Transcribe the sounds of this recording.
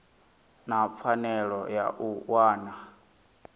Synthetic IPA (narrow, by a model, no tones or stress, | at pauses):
nap̪fʰanɛɺɔja̰ʔuwaːna